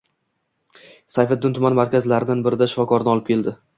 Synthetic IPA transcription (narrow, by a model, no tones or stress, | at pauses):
sajfat̪d̪ːɪnt̪ʰʊmanmaɾkʲazlaɾɪd̪anbɪɾɪd̪aʃɪfɒkʰɒɾɪnɪɒlˠɪp̚kʲʰe̞ld̪ɪ